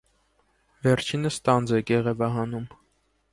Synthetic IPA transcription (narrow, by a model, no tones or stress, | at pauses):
vɛɾt͡ʃʰinəst̪ɑnd͡zɛɡɛʁɛvɑɦɑnum